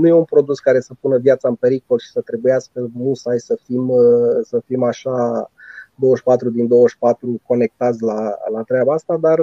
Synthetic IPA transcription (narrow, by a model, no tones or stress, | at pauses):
nuje̞unpɾo̞d̪uskaɾe̞səpunəvjat̪saɨmpe̞ɾiko̞lʃi̥sət̪ɾe̞bujaskəmusajsəfimsəfimaʃa | d̪owəʃpat̪ɾud̪ind̪o̞wəʃpat̪ɾuko̞ne̞k̚t̪at̪sʲlalat̪ɾeabaast̪ad̪ar